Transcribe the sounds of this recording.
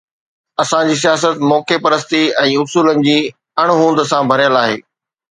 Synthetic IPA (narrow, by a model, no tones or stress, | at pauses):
ɐsãd͡ʑiːs̬ijaːs̬ət̪mɔːkepɐɾəst̪iɛ̃ːʊsuːlənɪ̆d͡ʑiː | ɐɽ̃ɦũːnd̪əsãbʱɐɾjəlaːɦḛː